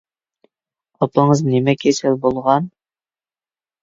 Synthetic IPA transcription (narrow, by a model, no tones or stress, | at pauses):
ɑpɤɴɤznimɛkʲʰesɘlbulˠʁɑn